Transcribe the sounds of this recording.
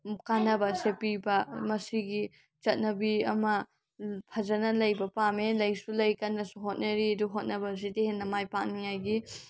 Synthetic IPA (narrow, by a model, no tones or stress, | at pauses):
kanːɐbɐsepibɐmɐsiɡi | t͡ʃɐt̚nɐbiɐmɐ | pʰɐd͡ʒɐnɐlɐjbɐpamelɐjsulɐjkanːɐsuɦot̚nɐɾiɐduɦot̚nɐbɐs̬itehenːɐmajpak̚nijajɡi